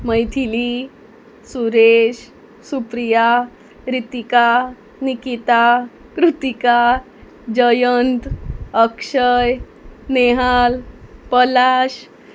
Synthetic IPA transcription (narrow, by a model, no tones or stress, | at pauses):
məjt̪ʰili | suɾeɕ | supɾija | ɾit̪ika | nikit̪a | kɾut̪ika | d͡ʑəjənt̪əkʂəj | neɦalpəlaɕ